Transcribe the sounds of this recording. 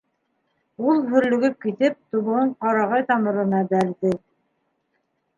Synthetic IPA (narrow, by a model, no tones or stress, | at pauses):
ulˠɦɵ̆ɾlɵ̆ɡɵp̚kit̪ɘp̚t̪uβŏɤɴqɑɾɑʁɑjt̪ɑmɤ̆ɾɤ̆nɑbæɾðɘ